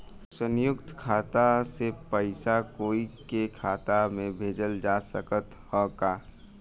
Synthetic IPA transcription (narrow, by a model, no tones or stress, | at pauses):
sənjʊkt̪kʰaːt̪asepəɪsakoːikekʰaːt̪amẽbʱeːd͡ʒəld͡ʒasəkət̪hɔkaː